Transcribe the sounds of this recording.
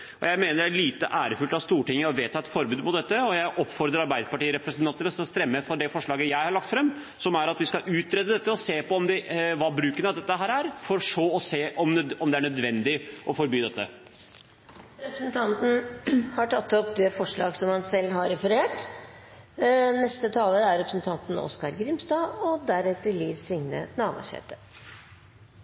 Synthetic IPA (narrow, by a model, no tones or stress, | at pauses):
ʔɔ̰jæɪmeːnəɖæɭiːt̪əʔæːɾəfʉlt̪ɑʋst̪uːʈɪŋːəɔʋeːt̪ʰːɑːɛt̪fɔɾbʉːd̪mʊt̪̚d̪ɛt̪ːəɔjæɪʔɔpːfɔɾd̪ɾəɾɑɾbæɪd̪əpɑʈiːəɾɛpɾəsənt̪ɑnt̪əɾɔsɑst̪ɾɛmːəfɔɖɛfɔʂɭɑːɡəjæɪhɑɾɭɑk̚t̪fɾɛmː | sɔmæɾɑt̪ʋɪskɑʔʉːt̪ɾɛd̪əd̪ɛt̪ːəɔseːpɔɔmd̪ɛʋɑbɾʉːkənɑʋd̪ɛt̪ːəɦæːɾæɾfɔɾɔʂoːɔseːʔɔmɔmd̪ɛæɳœd̪ʋɛnd̪ɪʔɔfɔɾbyːd̪ɛt̪ːə̰ | ɾɛpɾəsənt̪ʰɑnt̪n̩hɑʈʰɑt̪ːɔpd̪eːfɔʂɭɑ̰ːɡsɔmhɑnsɛlːɦɑɾɾɛfəɾeːʈ | nɛst̪ət̪ʰɑːləɾæɾɛpɾəsn̩t̪ʰɑnt̪n̩ɔ̰skɑɾɡɾɪmst̪ɑːɔd̪æɾɛt̪ːəliːd̪sɾɪŋnə̰nɑːʋɑ̰ʂɛ̰ːt̪ə